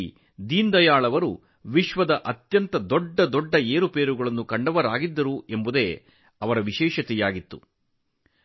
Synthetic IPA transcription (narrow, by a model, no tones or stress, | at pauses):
d̪iːnd̪ɐjaːɭɐʋɐɾu | ʋiʃʋɐd̪ɐʔɐt̪jɐnt̪ɐd̪ɔɖːɐd̪ɔɖːɐeːɾupeːɾuɡɐɭɐnːukɐɳɖɐʋɐɾaːɡid̪ːɐɾuʔe̞mbud̪e̞ː | ɐʋɐɾɐʋiʃɛːʃɐt̪ɛjaːɡit̪ːu